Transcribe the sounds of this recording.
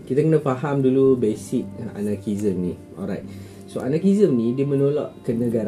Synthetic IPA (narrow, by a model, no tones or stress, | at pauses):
kit̪akənaʔfaɦamdulubesik̚a̰nakizəmni | ɔ̰lɹajt̚ | soa̰nakizəmnidiəmənolɔ̰ʔkənəɡaɾ